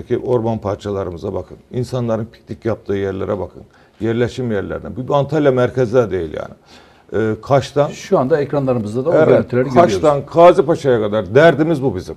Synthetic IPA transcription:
ecʰiʔo̞ɾmanpʰaɾt͡ʃʰalˠaɾɯmɯzabakʰɯninsanlˠaɾɯnpʰi̥c̚nicjap̚t̪ʰɯːjæɾlʲeɾɛbakʰɯ̰n | jæɾlʲeʃimjæɾlʲæ̰ɾd̪æ̰nbibant̪ʰalʲjamæɾcʰezd̪ɛd̪e̞jilʲja̰ːnɪː | kʰaʃt̪ʰanʃuand̪aɛcɾanlˠaɾɯmɯzd̪ad̪aɛit̪ʰɾɛɾkʰaʃt̪ankʰaːzipaʃajakʰad̪aɾd̪æɾd̪imizbubizim

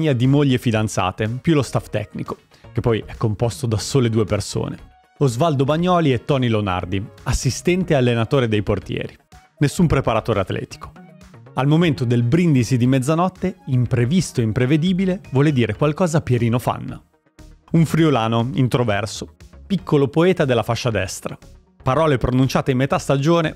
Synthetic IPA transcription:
ad̪imoʎːefid̪ant̪sa̰ːt̪epjulost̪aft̪ɛ̰kniko̥ | kepːɔjɛkːompost̪od̪asoːled̪uːeperso̰ːnḛ | ozvald̪obaɲːɔːliet̪ːɔːnileona̰rd̪iasːist̪ɛnt̪ealːenat̪oːɾed̪ejport̪jɛ̰ːɾi | nesːumpɾepaɾat̪oːɾeat̪lʔɛ̰ːt̪i̥ko̥ | almoment̪od̪elbɾind̪isid̪imɛd̪zanɔt̪ːeimpɾevist̪oeimpɾeved̪iːbilevwɔːled̪iːɾekwalkɔːzapjeɾiːnofa̰nːa̰ | uɱfɾiolaːnoint̪ɾovɛrsopikːolopoɛːt̪ad̪elːafaʃːad̪ɛ̰st̪ɾa | paɾɔːlepɾonunt͡ʃaːt̪eimːet̪ast̪ad͡ʒoːne

